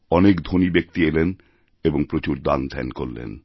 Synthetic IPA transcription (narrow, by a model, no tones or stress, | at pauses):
ɔnekd̪ʱonibek̚t̪ielen | eboŋpɾot͡ɕuɾd̪a̰nd̪ʱɛ̰nkoɾlḛn